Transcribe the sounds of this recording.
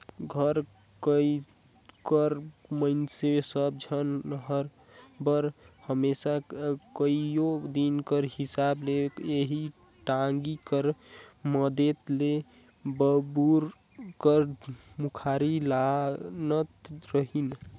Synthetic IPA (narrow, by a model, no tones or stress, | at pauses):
ɡʱəɾ | kə | kəɾməɪnsesəb̚d͡ʒʱənɦəɾ | bəɾhəmesakəijod̪inkəɾɦisableeɦi | ʈaŋɡikəɾməd̪et̪le | bəbuɾ | kəɾmukʰaɾilanət̪ɾəɦin